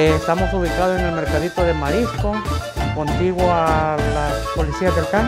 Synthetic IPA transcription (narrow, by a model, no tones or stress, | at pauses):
est̪amo̞suβikaðosene̞lme̞ɾkaðit̪oðe̞maɾiskoko̞nt̪iɣwoalaspo̞lisiazd̪elkan